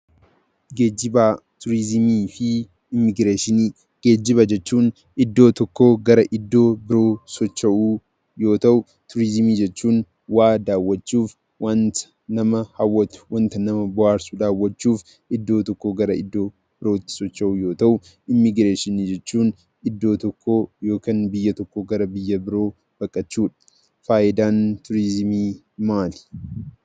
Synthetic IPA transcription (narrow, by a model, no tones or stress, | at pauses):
ɡeːɪbaːt̪ʊɾɪzmiːfɪ | ɪmɪɡɾeːʃɪni | ɡ̥e̞ːd͡ʒːɪbɐd͡ʒɛt͡ʃːuːn | ɪd̪ːo̞ːt̪ɔkːo̞ːɡɐɾɐʔɪd̪ːo̞ːbɪɾo̞ːsɔt͡ʃːɐʔuː | jo̞ːt̪ɐʔʊ | t̪ʊɾɪzmiːd͡ʒɛt͡ʃːuːn | waːd̪aːwːɐt͡ʃːuːf | wɐn | nɐmɐhɐwːɐwɐnt̪ɐnɐmɐbʊaːɾsʊd̪aːwːɐt͡ʃːuːf | ʔɪd̪ːo̞ːt̪ɔkːoːɡɐɾɐɪd̪ːoː | b̥ɪɾoːt̪ːɪ̥sɔt͡ʃːɐʔuːjo̞ːt̪ɐʔʊ | ʔɪmːɪɡɾeːʃɪnid͡ʒɛt͡ʃːuːn | ɪd̪ːo̞ːt̪ɔkːo̞ːjo̞ːkɐnbɪjːɐt̪ɔkːoɡɐɾɐbɪjːɐbɪɾo̞ː | b̥ɐkʼːɐt͡ʃːuːᶑɐ̥ | faːʔɪd̪aːnt̪ʊɾɪzmiː | maːl